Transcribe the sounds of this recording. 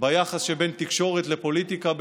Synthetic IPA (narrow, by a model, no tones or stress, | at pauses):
bajaχasʃebe̞nt̪ikʃo̞ʁet̪lepo̞lit̪ikab